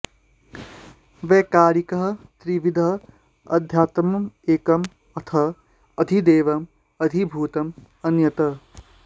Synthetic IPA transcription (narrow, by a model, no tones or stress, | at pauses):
ʋeːkaːɾikɐɦt̪ɾiʋid̪ʱɐ | ɐ̰d̪ʱjaːt̪mɐmeːkɐm | ɐt̪ʰɐ | ɐd̪ʱid̪eːʋɐm | ɐd̪ʱibʱuːt̪ɐm | ɐnjɐt̪ɐ